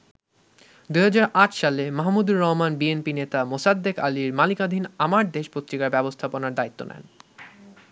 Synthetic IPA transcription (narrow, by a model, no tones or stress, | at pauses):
d̪uɦad͡ʑaɾaʈʃalemaɦmud̪uɾːɔɦmanbienpinet̪amosad̪ːekaliɾmalikad̪ʱinamaɾd̪eʃpot̪ːɾikaɾbɛbost̪ʰaponaɾd̪ait̪ːo̰nʔɛ̰n